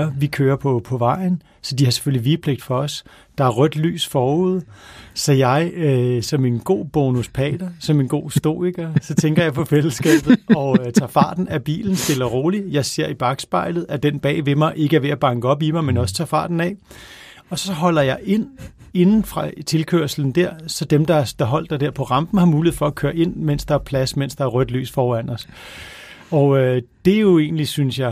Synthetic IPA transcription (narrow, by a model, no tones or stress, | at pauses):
ɐʋikʰøːɐpʰɒ̽pʰɒ̽ʋɑ̈ɪ̰n̩ | sɒ̽d̥ihɑ̈se̥føliʋipʰleɡ̥̚d̥fɒ̽ɒ̽s | d̥ɑ̈æɐʁœd̥ly̰ːsfɒːuð̰ˠsɒ̽jɑ̈ɪøsɒ̽me̝nɡ̥o̝̰ːb̥o̝ːnuspʰɛ̰ːd̥ɐsɒ̽me̝nɡ̥o̝̰ːsd̥o̝̰ːiɡ̥ɐsɒ̽t͡sʰeŋɡ̥ɐjɑ̈ɪpʰɒ̽fel̰əsɡ̥ɛ̰ːb̥ð̩ˠɒ̽t͡sʰɑ̰̈ːfɑ̈ːd̥n̩æb̥ḭːln̩sd̥e̝lɐʁo̝ːlijɑ̈ɪse̝ɐ̰ib̥ɑ̈ɡ̥sb̥ɑ̈ɪ̰lð̞̩ˠæd̥en̰b̥ɛ̰ːʋe̝mɑ̈ɪʔe̝ɡ̥əæɐʋe̝æb̥ɑ̈ŋɡ̥əɒ̽b̥imɑ̈ɪmenɒ̽sə̥t͡sʰɑ̰̈ːfɑ̰̈ːd̥n̩ɛ̰ | ɒ̽sɒ̽ɦɒ̽l̰ɐjɑ̈ɪʔe̝n̰ | e̝nn̩fʁɑ̈t͡sʰe̝lkʰøɐsl̩n̩d̥æɐ̰sɒ̽d̥emd̥ɑ̈d̥ɑ̈ɦɒ̽l̰d̥ːɑ̈ɪd̥eɐ̰pʰɒ̽ʁɑ̈mb̥n̩hɑ̈muːliḛfɒ̽ækʰøːɐʔe̝n̰men̰sd̥ɑ̈æɐpʰlæsmen̰sd̥ɑ̈æɐʁœd̥ly̰ːsfɒːæn̰ɒs | ɒʊød̥e̝jo̝e̝̰ːnlisynsjɑ̈ɪ